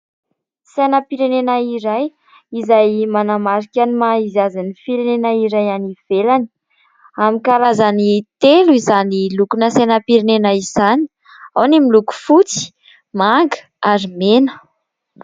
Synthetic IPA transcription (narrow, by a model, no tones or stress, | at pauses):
sajnapiɾenenaiɾaj | izajmanamaɾikʲanimaizazanifiɾenenaiɾajaniv̥elani̥ | amikaɾazanit̪eluizanilukunəsajnapiɾenenaizani | awnemiluku̥fut͡si̥ | maŋɡə̥ | aɾimenə̥